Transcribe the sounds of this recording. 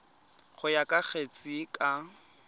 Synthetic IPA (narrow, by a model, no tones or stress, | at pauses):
χʊjakʼak͡xʰet͡sʼikʼa